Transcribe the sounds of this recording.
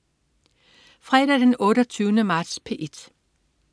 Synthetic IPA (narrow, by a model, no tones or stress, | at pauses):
fʁɛdæd̥enɔ̽ːɾɒt͡sʰyːʊənəmɑ̈ːd̥spʰeʔed̥